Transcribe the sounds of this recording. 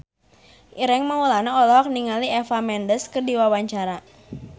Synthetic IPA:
ʔiɾɛŋmaulanaɔlɔɔk̚niŋaliɛfamɛndəskərdiwawaɲt͡ʃaɾa

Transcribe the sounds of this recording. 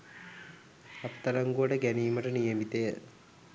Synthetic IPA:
ɐt̪ːɐɾɐŋɡuʋɐʈəɡæniːmɐʈənijəmit̪ejə

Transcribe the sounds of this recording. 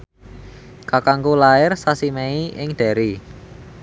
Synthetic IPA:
kakaŋɡolaɪrsasimɛiɪŋɖ̪̥ɛ̤ɾi

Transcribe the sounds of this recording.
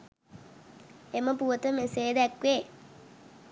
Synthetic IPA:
eməpuʋət̪əmeseːd̪ɛkʋe

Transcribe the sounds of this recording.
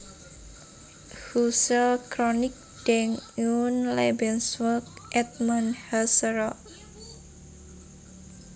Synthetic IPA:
husəkɾonik̚d̥ɛŋunlebɛnswək̚ʔɛt̪̚manhasɾɔ

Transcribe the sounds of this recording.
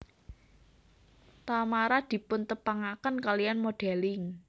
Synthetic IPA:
t̪amaɾad̪̥i̤pʊnt̪əpaŋakənkalijanmoɖ̥ɛlɪŋ

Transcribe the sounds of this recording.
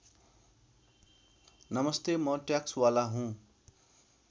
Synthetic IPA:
nʌmʌst̪emʌʈjakswalaɦũ

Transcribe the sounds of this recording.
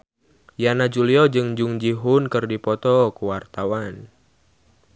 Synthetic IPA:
janad͡ʒuliɔd͡ʒɨŋd͡ʒuŋd͡ʒiɦʊnkɨrdipɔt̪ɔkuwart̪awan

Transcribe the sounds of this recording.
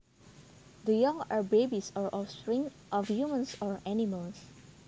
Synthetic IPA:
dəjãŋabebisɔɹʔɔstɹĩŋ | ʔɔfjumə̃nsɔɹɛniməls

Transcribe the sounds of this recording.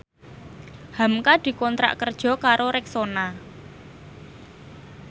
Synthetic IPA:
hamkad̪̥i̤kɔnt̪ɾa̰ʔkərd̥ʒ̥ɔ̤kaɾoɾɪk̚sona

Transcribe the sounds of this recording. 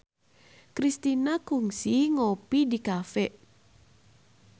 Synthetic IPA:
kɾist̪inakuŋsiŋopidikafɛʔ

